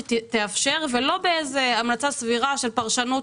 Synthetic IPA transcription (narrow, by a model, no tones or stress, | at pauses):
t̪eafʃe̞ʁvelo̞beezeamnat͡sasviʁaʃe̞lpaʁʃanu